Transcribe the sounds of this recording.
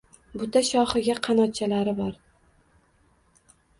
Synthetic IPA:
bʊt̪ʰaʃɒhɪɡʲaqʰɑnɒt̪̚t͡ʃʰalaɾɪbɒɾ

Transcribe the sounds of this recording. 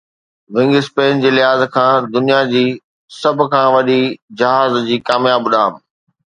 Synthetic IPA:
ʋɪ̃ŋɡɪspeːnd͡ʑeːlɪɦaːzkʰãːd̪ʊnijad͡ʑiː | sɐbʱʊ̆kʰãːʋɐɗid͡ʑɐɦaːzd͡ʑiːkaːmjaːbɗaːm

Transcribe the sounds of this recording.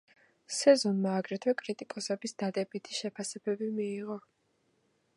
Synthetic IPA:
sɛzɔnmaːɡɾɛt̪ʰwɛkʼɾit̪ʼikʼɔsɛbisd̪ad̪ɛbit̪ʰi̥ʃɛpʰasɛbɛbimiːʁɔ

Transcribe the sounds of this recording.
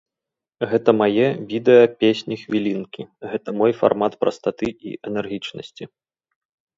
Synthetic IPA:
ɣɛt̪ɐmajɛvʲid̪ɛjɐpʲesʲnʲixvʲilʲinkʲiɣɛt̪ɐmɔjfa̰rmat̪pɾɐ̰st̪at̪ɨḭʔɛnɛrɣʲit͡ʂnɐ̰sʲt͡sʲi

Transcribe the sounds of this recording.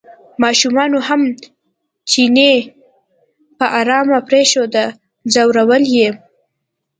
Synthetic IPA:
mɑʃumɑnoham | t͡ʃine | pəʔaɾɑmapɾeʃod̪ə | zawɾawəlje

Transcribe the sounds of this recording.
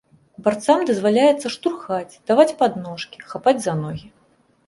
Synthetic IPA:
bart̪samd̪ɐzvalʲajɛt̪sːɐʂt̪urxat͡sʲd̪̥avat͡sʲpad̪nɔʂkʲi̥xapad͡zʲzanɔɣʲi

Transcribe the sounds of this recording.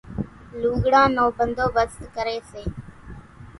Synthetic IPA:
luːɡɽãːnoːbənd̪oːʋəst̪kəɾeːseː

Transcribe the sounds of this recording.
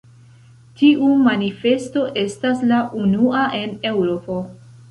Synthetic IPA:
tiʔumanife̞sto̞ʔe̞staslaʔunuaʔe̞ne̞wɾo̞po̞

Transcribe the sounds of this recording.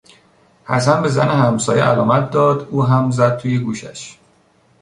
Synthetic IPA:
hæsænbe̞zæ̰nehæmsɒːjḛʔælɒːmæt̪̚d̪ɒːd̪uːɦæmzæd̪̥̚t̪ʰuːjeɡuːʃæʃ

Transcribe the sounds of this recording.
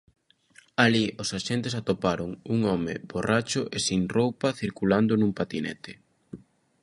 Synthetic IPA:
aliʔosaʃent̪esat̪opaɾoŋuŋɔmɪ̰borat͡ʃʊʔesiŋrowpɐθiɾkuland̪ʊnũmpat̪inɛ̰t̪ɪ

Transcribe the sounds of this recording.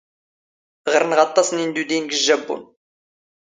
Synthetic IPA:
ʁəɾənʁɑt̪ˤːɑsnind̪ud̪inɡəʒːæbːṵn

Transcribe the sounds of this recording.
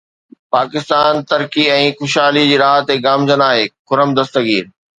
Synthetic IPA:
paːkɪst̪aːnt̪ɐɾkiɛ̃ːxʊʃaːlid͡ʑiːɾaːɦət̪eɡaːmd͡ʑənaːɦeːkʊɾəmd̪ɐst̪əɡiːɾ

